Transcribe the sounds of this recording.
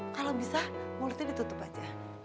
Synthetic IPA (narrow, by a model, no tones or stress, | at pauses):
kalabisamolt̪idit̪ut̪ʊpad͡ʒa